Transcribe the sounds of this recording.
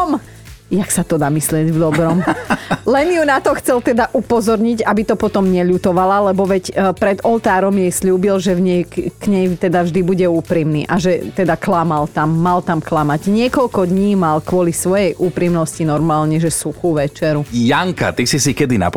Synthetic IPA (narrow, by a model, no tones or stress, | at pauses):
m | jaksat̪ɔd̪aːmislɪɛɟvd̪ɔbɾɔmlɛnjunat̪ɔxt͡sɛlt̪ɛd̪aʔupɔzɔɾɲiɟabit̪ɔpɔt̪ɔmɲɛʎut̪ɔʋalalɛbɔʋɛcpɾɛd̪ɔlt̪aːɾɔmjɛjsʎuːbilʒɛvɲɛjkɲɛjt̪ɛd̪avʒd̪ibuɟɛuːpɾimnḭːʔaʒɛt̪ɛd̪aklamalt̪amːalt̪amklamaɟɲɪɛkɔʎkɔd̪ɲiːmalkʊɔlisʋɔjɛjʔuːpɾimnɔscinɔɾmaːlɲɛʒɛsuxuʋɛt͡ʃɛɾujaŋka̰t̪isisikɛd̪ina̰p